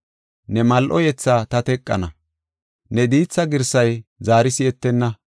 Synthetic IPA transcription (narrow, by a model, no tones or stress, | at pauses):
nɛmɐlʔɔjɛt͡sːaːt̪ɐt̪ɛkʼːɐ̰nɐ | nɛd̪iːt͡sːɐɡɪɾsɐjzaːɾɪsɪɛt̪ːɛnːɐ